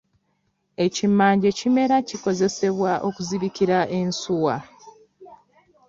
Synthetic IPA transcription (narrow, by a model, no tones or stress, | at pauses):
e̞cimaːɲɟe̞cime̞ɾaciko̞ze̞se̞βwaʔo̞kuziβikiɾaʔe̞nsuwa